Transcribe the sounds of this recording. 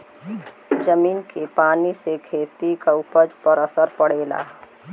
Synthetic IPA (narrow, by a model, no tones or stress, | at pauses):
d͡ʒəmiːnkepaːnisekʰeːt̪ikaʊpəd͡ʒpəɾəsəɾpəɽeːla̰ː